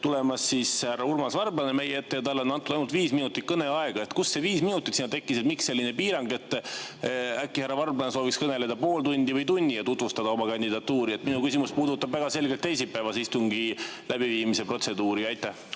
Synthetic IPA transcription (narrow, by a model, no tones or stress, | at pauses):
t̪ule̞mɑsːishærːɑurmɑsvɑrblɑneme̞jeet̪ːe̞jɑt̪ɑlːo̞nːɑnt̪ːˑud̪ɑjnult̪viːsminut̪ːˑit̪̚kɤne̞ɑe̞ɡ̥ɑe̞t̪kusːe̞viːsminut̪ˑit̪siːnɑt̪e̞kːiset̪̚mikse̞lʲːine̞piːɾɑŋɡ̥e̞t̪ːˑ | ækːihæɾrːɑvɑrblɑnesoːvikskɤne̞le̞d̪ɑpo̞ːlt̪unʲd̪ivɤjt̪unʲːijɑt̪ut̪vust̪ɑd̪̥ɑomɑkɑnʲd̪id̪ɑt̪ːuːɾiet̪minukysimuspuːd̪ut̪ːɑbvæɡ̥ɑse̞lɡe̞lt̪ːe̞js̬ipːˑæevɑsist̪uŋɡilæbiviːmise̞pɾo̞t̪se̞d̪uːɾiɑjt̪ːˑæh